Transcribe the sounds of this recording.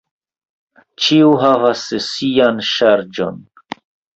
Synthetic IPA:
t͡ʃiuɦavasesijanʃaɾd͡ʒo̰n

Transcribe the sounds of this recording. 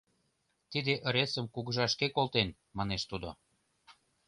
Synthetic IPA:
t̪id̪eʔəɾesə̆mkuɣəʒɑʃkekolt̪en | mɑneʃt̪ud̪o

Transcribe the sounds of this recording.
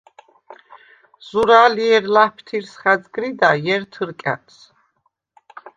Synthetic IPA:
z̥uɾaːliɛɾlahpʰt̪ʰiɾsχazɡɾid̪ajɛɾt̪ʰɨɾkʼa̰t̪s

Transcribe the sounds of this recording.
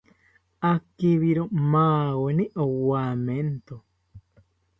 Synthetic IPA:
akiβiɾomaːwenĩʔowament̪o

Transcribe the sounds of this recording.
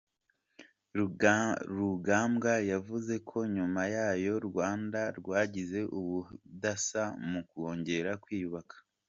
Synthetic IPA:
ɾuɾuɡaːmɡajavuze̞kʰo̞ɲumajaːjo̞ɾɡwaːndaɾɡwaːɟize̞ʔuβudasamukuo̞ːɲɟe̞ɾakwiːjuβakḁ

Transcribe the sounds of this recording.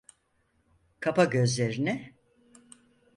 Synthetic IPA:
kʰapaɟø̞zlʲe̞ɾinɛ

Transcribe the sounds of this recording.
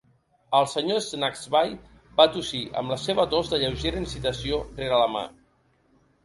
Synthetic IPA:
əlˠsəɲoznakzβaj | bat̪usiʔə̰mləseβət̪ozðəʎəwʒeɾəinsit̪əsioreɾələma̰

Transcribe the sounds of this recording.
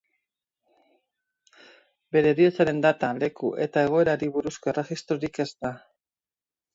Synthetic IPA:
be̞ɾe̞ðiot͡saɾe̞nd̪at̪ale̞kuʔe̞t̪ae̞ɣ̞o̞e̞ɾaɾiβuɾusko̞ere̞xist̪ɾoɾike̞zt̪a

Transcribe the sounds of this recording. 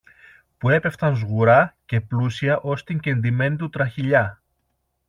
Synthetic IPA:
pue̞pe̞ft̪ɐnzɣuɾɐce̞plusiɐʔo̞st̪iɲɟend̪ime̞nit̪ut̪ɾɐçiʎɐ

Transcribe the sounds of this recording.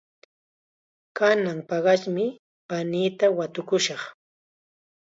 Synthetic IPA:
kanaŋpɑɢɑʃmɪ | paniːt̪awat̪ʊkʊʃɑχ

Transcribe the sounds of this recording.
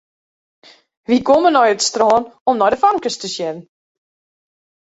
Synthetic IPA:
ʋikomənɔjətstrɔːnɔmnɔjdəfaŋkəstəsjɛnən̩

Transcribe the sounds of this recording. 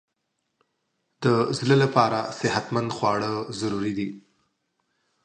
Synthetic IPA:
d̪̥əzləlapɑɾasɪhat̪mand̪xwɑɽəzaɾuɾid̪i

